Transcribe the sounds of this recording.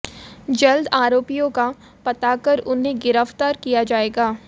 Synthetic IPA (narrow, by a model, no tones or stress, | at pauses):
d͡ʒɐld̪aːɾoːpijõka | pɐt̪akɐɾʊnɦẽɡɪɾəft̪aːɾkijad͡ʒaːeːɡaː